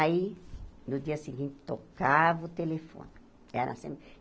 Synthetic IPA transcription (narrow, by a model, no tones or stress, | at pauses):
ainʊd̪iɐsiɡĩnt̪ɪ̥t̪okavɐʊt̪elefõ̰n | ɛɾɐ̰sḛ̃m